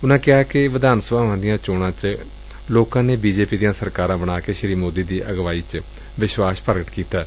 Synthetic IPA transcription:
ʊnãːkɪaːkɪʋɪd̪aːnsəbaːãːd̪ɪjãːt͡ʃoːɽãːt͡ʃ | loːkãːneːbiːd͡ʒeːpiːd̪ijãːsəɾkaːɾãːbəɽaːkeːʃəɾiːmoːd̪iːd̪iːʔəɡʋaːiːt͡ʃ | ʋɪʃʋaːspəɾɡəʈkiːt̪aː

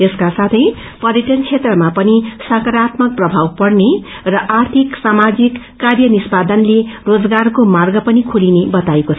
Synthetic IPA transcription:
eskasat̪ʰʌj | pʌɾjeʈʌnt͡sʰet̪rʌmapʌnisʌkʌɾat̪mʌk̚prʌbʱawpʌɽne | rʌʔart̪ʰiksamad͡zikːarjʌnispad̪ʌnlerod͡zɡarkomarɡʌpʌnikʰulinebʌt̪aekot͡sʰʌ

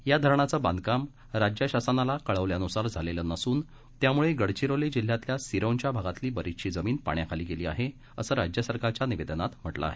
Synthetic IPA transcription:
jad̪ʱəɾɳat͡səːband̪̚ʱkam | ɾad͡ʑjəɕasənalakəɭəʋljanusaɾd͡zʱalelənəsuːn | t̪jamuɭeɡəɽt͡ɕiɾoled͡ʑil̤jat̪ljasiɾəwɲt͡ɕjabʱaɡat̪liːbəɾit̪ɕiːd͡zəmiːnpa̰ɳjakʰaliːkeliːa̰ɦe | əsəːɾad͡ʑjəsəɾkaɾt͡ɕjaniʋed̪ənat̪m̤əʈla̰ːɦe

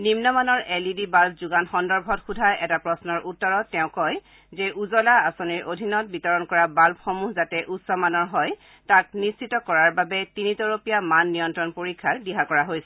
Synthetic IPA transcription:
nimnɔmanɔɹɛlidibalbzuɡanxɔndɔɹbʱɔtxudʱajɛtapɹɔsnɔɹʔutːɔɹɔtːɛʊ̃kɔj | zɛʔuzɔlaasoniɹodʱinɔt̚bitɔɹɔnkɔɹabalpxomuɦzatɛʔutsɔmanɔɹɦɔj | tak̚nissitɔkɔɹaɹbabɛtinitɔɹopijamanːijɔntɹɔnpoɹikʰːaɹdiɦakɔɹaɦojsɛ

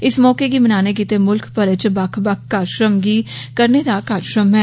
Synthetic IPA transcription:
ɪsmɔːkeɡimənaːnek̬iːt̪emʊlkʰpəɾət͡ʃbəkʰbəkʰkːaːɾʃɾəmɡiːkəɾned̪akaːɾʃɾəmɦɛː

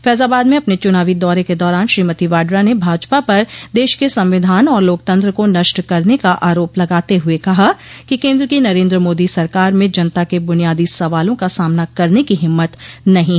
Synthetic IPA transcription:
fɛːzaːbaːd̪mẽɐpnet͡ʃʊnaːʋid̪ɔːɾeked̪ɔːɾaːnʃɾiːmət̪iʋaːɖɾanebʱaːd͡ʒpapɐɾd̪eːʃkesɐ̃mʋɪd̪ʱaːnɔːɾloːk̚t̪ɐ̃nt̪ɾəkonɐʃʈkɐɾnekaʔaːɾoːplɐɡaːt̪eɦʊekɐɦakikẽːnd̪ɾəkinɐɾẽːnd̪ɾəmoːd̪isɐɾkaːɾmẽd͡ʒɐnət̪akebʊnijaːd̪isɐʋaːlõkasaːmnakɐɾnekiɦɪmːət̪nɐɦĩ

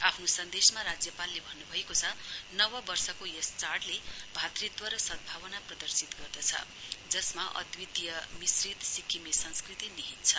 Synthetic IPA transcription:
apʰnosʌnd̪esmaɾad͡zjʌpalːebʱʌnːubʱʌekot͡sʰʌnʌwʌbʌrsʌkojest͡sarʈlebʱat̪rit̪wʌɾʌsʌd̪̚bʱaβʌnaprʌd̪ʌrsit̪ɡʌrd̪ʌt͡sʰʌ̰ | d͡zʌsmaʔʌ̰d̪wid̪ijʌmisrit̪sikʰimesʌnskrit̪iniɦit̪t͡sʰʌ

